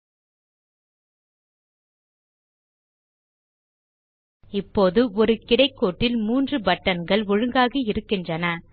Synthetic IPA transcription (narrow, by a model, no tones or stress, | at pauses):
ɪpːoːðɯɔɾɯkɪɽɐɪkːoːʈːɪlmuːndrɯbɐʈːɐnɡɐɭɔɻɯŋɡaːɣiɪɾɯkːɪndrɐnɐ